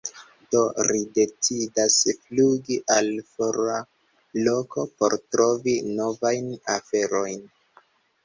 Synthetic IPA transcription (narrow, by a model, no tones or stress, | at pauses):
d̥o̞ɾide̞t͡sidasfluɡiʔalfoɾa | lo̞ko̞po̞̰ɾtɾo̞vino̞vajnafe̞ɾo̞jn